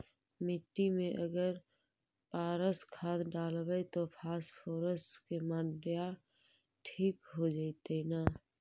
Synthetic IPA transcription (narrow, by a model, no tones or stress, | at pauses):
mɪʈːimẽʔɐɡəɾ | paːɾəskʰaːd̪ɖaːlbəet̪opʰaːspʰoːɾəskemaɖja | ʈʰiːkɦod͡ʒaːit̪enaː